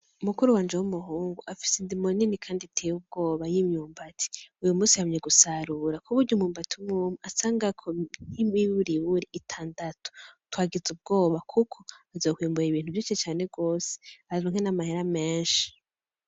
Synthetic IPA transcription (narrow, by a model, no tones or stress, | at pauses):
umukuɾuwaːnd͡ʒewumuɦuːŋɡuafi̥sendimoninikʰaːnditʰejub̚ɡo̞ːβajimɲuːmbatʰi̥ujumuːsihamɲeɡusaɾuːɾakʰuβuɾɟumuːmbatiwumuːmuasaːŋɡakʰon̥imiβuɾiβuɾiʔːtʰaːndatʰo̥twaːɡizub̚ɡo̞ːβakʰukʰoazoːkwiːmbuɾaiβiːn̥huvjit͡ʃet͡ʃaːne̞ɡo̞ːse̥aɾoŋhenamaheɾame̞ːnʃi̥